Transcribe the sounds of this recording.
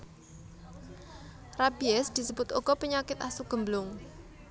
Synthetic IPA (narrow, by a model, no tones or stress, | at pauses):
rabiɛsd̪̥i̤səbʊt̪oɡ̥ɔpəɲakɪt̪asuɡ̥ə̤mblʊŋ